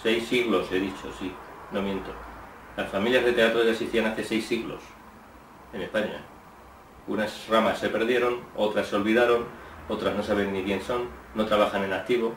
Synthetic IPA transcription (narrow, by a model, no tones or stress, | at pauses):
se̞jsːiɣlo̞se̞ðit͡ʃosino̞mje̞nt̪o | lasfamiljazðe̞t̪e̞at̪ɾoeʝaseisθianaθe̞se̞jsːiɣlo̞̰s | e̞ne̞spaɲa | unasramasːe̞pe̞ɾð̞je̞ɾo̞no̞t̪ɾasːeo̞lβiðaɾo̞no̞t̪ɾazno̞saβ̞e̞nːikje̞nso̞nːo̞t̪ɾaβ̞axane̞nak̚t̪iβo̞